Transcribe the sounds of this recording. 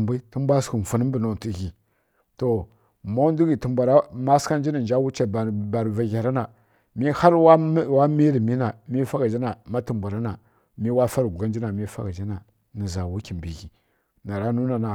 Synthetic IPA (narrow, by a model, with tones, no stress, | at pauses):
mbi˦ti˦mbʷa˦sku˨n˨fu˨nə˦mbə˨no˨ti˨˦ɣi˨ | to˨ | mo˦ndu˦ɡi˨ti˨mbʷa˨ɾa˦ma˦ska˦n˦d͡ʒi˦na˨n˨d͡ʒa˦wu˦t͡ʃa˦˨bba˨ɾva˨ɣa˨ɾa˦na˨ | mi˦ha˦ɾwa˦wa˦mi˦ɾi˨mi˦na˨mi˦fa˦ɡa˨d͡ʒi˦na˨ma˦tə˨mba˨ɾa˦na˨ | mi˦wa˦fa˦ɾɡu˨ɡa˦n˦d͡ʒi˦na˨mi˦fa̰˦ɡa˨d͡ʒi˦na˨ | nə˨za˨wu˦ki˨mbi˨ɣi˨ | na˨ɾa˦nu˦na˨na˨